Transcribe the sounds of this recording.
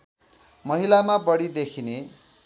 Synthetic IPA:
mʌɦilamabʌɽid̪ekʰine

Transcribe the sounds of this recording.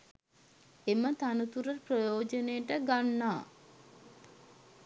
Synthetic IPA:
emət̪anut̪uɾərprojoːd͡ʒənejəʈəɡanːaː

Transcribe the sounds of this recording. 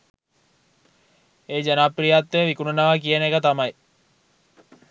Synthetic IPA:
eːd͡ʒanapːrijat̪ːeʋikununaʋakijənekət̪amɐj

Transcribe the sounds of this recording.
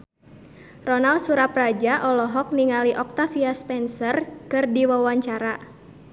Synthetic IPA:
rɔnalsuɾaprad͡ʒaʔɔlɔɦɔk̚niŋaliʔɔk̚t̪afiaspɛnsərkɨrdiwawaɲt͡ʃaɾa

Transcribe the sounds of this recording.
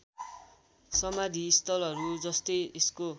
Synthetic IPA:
sʌmad̪ʱiːst̪ʌlʌɾud͡zʌst̪ʌjesko

